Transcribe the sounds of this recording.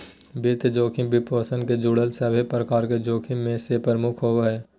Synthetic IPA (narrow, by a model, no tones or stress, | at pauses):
bɪɾt̪d͡ʒoːkʰĩbʱɪpoːsənked͡ʒuːɽəlsəbepɾəkaːɾked͡ʒoːkʰimẽsepəɾəmʊkʰɦoːʋɦɛː